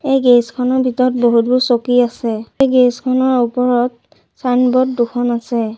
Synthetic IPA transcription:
ejɡeskʰɔnɔɹbʱitɔɹɔt̚boɦut̚busokiasɛejɡeskʰɔnɔɹupɔɹɔt̚ | sanbɔtdukʰɔnasɛ

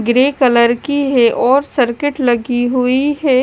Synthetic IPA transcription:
ɡɾeːkələɾkiɦɛʔɔːɾsəɾkɪʈlɐɡiɦuiɦɛː

